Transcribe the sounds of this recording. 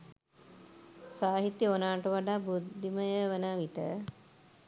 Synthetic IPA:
saːɦit̪jionaːʈəʋaɖaːbud̪ʱːiməjəʋənaʋiʈə

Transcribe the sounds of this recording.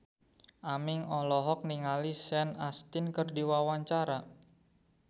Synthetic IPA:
ʔamɪŋɔlɔɦɔk̚niŋalisɛnast̪ɪnkərdiwawaɲt͡ʃaɾa

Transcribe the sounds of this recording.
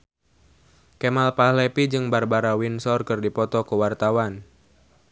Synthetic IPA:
kemalpahlepid͡ʒɨŋbarbaɾawinsɔrkɨrdipɔt̪ɔkəwart̪awan

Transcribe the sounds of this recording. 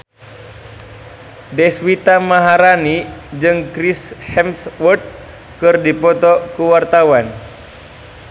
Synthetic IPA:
dɛswit̪amaɦaɾanid͡ʒɨŋkɾishɛmswərt̪̚ | kɨrdipɔt̪ɔkuwart̪awan

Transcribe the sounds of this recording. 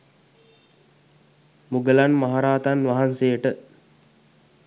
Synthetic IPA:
muɡəlanmaɦaɾaːt̪anʋaɦansejəʈə

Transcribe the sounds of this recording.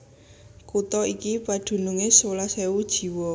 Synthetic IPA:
kut̪ɔikipḁd̪̥ṳnuŋesolaseud̥ʒ̥i̤wɔ

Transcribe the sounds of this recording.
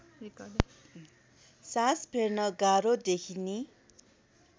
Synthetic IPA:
saspʰernʌɡaɾod̪ekʰini

